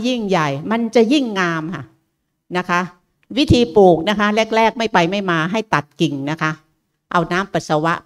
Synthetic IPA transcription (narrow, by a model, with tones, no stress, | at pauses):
ji˥˩ŋja˨˩jma˧nt͡ɕa˨˩ji˥˩ŋːaː˧mkʰa̰˥˩ | na˦˥kʰa˦˥ʔ | wi˦˥t̪ʰiː˧puː˨˩k̚na˦˥kʰa˦˥le˦˥˩k̚lɛː˥˩k̚ma˥˩jpa˧jma˥˩jmaː˧ɦa˥˩jt̪a˨˩t̪̚ki˨˩ŋna˦˥kʰa˦˥ʔ | ʔa˧wnaː˦˥mpa˨˩t̪̚sa˧wa˦˥ʔ